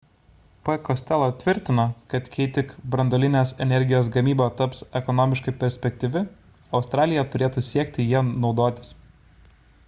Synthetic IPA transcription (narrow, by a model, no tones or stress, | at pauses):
pɛkɔsʲt̪ʲɛlˠoːt̪ʲʋʲɪɾʲt̪ʲɪnokɐt̪kʲɛɪt̪ʲɪkbɾɐnd̪ɔlʲɪnʲeːsɛnʲɛɾʲɡʲɪjoːsɡɐmʲiːboːt̪ɐpsɛkɔnɔːmʲɪʃkɐɪpʲɛɾʲsʲpʲɛkʲt̪ʲɪʋʲɪ | ɒʊst̪ɾɑːlʲɪjɛt̪ʊɾʲeːt̪uːsʲiɛkʲt̪ʲɪjiɛnɒʊd̪oːt̪ʲɪ̥s